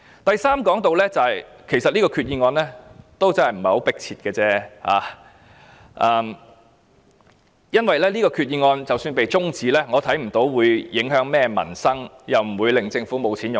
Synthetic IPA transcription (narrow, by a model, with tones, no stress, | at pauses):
t̪ɐ˨jsaː˥mkɔː˨˥ŋt̪o˨wlɛː˥t͡sɐ˨˧hɐ˨j | kʰe˨˩sɐ˨t̚liː˥kɔː˧kʰyː˧t̚jiː˧ŋɔː˧nlɛː˥t̪o˥wt͡sɐ˥nhɐ˨˩jm̩˨˩ɐ˨˩jho˨˧˥wpɪ˥k̚t͡sʰiː˨t̚kɛː˧t͡sɛː˥ha̰ː˨˧ | ʔɐː˧m | jɐ˥nwɐ˨jlɛː˥liː˥kɔː˧kʰyː˧t̚jiː˧ŋɔː˧nt͡sɐ˨wsyː˧npe˨jt͡sʊ˥ŋt͡siː˨˧lɛː˥ŋɔː˨˧t̪ʰɐ˨˥jm̩˨˩t̪o˨˥wwuː˨˧jjɪ˨˥ŋɦœː˨˥ŋmɛː˥mɐ̰˨˩nsɐ˥ŋ | jɐ˨wm̩˨˩wuː˨˧jlɪ˨ŋt͡sɪ˧ŋfuː˨˥mo˨˧wt͡sʰiː˨˥njʊ˨